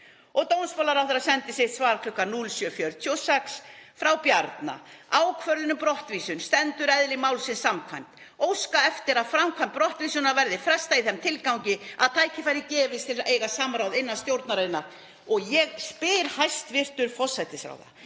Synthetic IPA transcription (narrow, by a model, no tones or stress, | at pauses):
ɔɣt̪ownsfɔlaɾawθɛɾasɛnt̪ɪsɪht̪svaːɾakʰlʏkːanulsœfjœɾt̪ʰjosɛksfɾawpjaɾt̪na̰ | aːwkʰvœɾðɪnʏmpɾɔht̪viːsʏnst̪ɛnt̪ʏɾɛðlɪmawlsɪnsamkʰvajm̥t̪ | owskaɛft̪ɪɾaðfɾamkʰvajmt̪pːɾɔht̪viːsʏnaɾvɛɾðɪfɾɛst̪aiθɛmt̪ʰɪlkawɲcɪa̰ðt̪ʰaːjcɪfajɾɪcɛːvɪst̪ʰɪlejɣasaːmɾawðejnːast̪jowɾt̪naɾajɪna | ɔɣjɛɣspɪːɾhajst̪vɪr̥t̪ʏɾ̥fɔsajt̪ɪsɾa̰wða̰